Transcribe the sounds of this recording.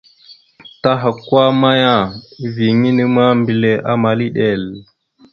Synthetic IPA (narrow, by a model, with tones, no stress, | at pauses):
ta˦ɦa˨kwa˦ma˦ja˦˨vi˨ŋi˦ni˦ma˦mbi˨le˨ʔa˦ma˨li˦ɗe˦˨l